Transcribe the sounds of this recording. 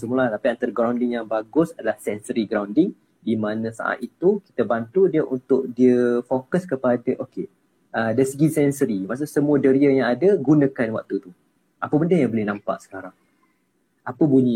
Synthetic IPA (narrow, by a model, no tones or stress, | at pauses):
səmulatapiant̪aɾəɡɾawndɪŋjaŋbaɡʊsadalahsɛnsəɾiɡɾawndɪŋ | dimanə̃sa̰ʔa̰t̪it̪uki̥t̪əbant̪udiəʔunt̪ʊʔ̚diəfokəskəpadəʔoke | ədaisəɡisɛnsəɾimaʔs̬uʔsəmuədəɾiəjãŋadəɡunãkanwa̰k̚t̪ut̪u | ʔapəbəndəjaŋbolɪhnampa̰ʔsə̥kaɾaŋ | ʔapəbuɲĩ